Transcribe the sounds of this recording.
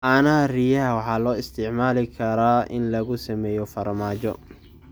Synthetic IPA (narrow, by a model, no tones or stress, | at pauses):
ʔaːnɐɦɐrijɐɦɐwɑħɑːlɔːɪst̪ʰɪʕmaːlɪkʰɐɾaːʔɪ̰nlɐɣʊsɐmɛːjɔfɐrmaːt͡ʃɔ̰